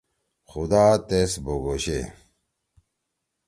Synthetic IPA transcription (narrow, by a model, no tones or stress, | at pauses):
xud̪aːt̪esboɡoɕḛ